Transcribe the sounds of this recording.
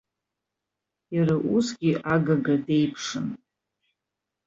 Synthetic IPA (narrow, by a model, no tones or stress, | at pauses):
araʔusɡʲiaɡaɡade̞jpʰʂɨn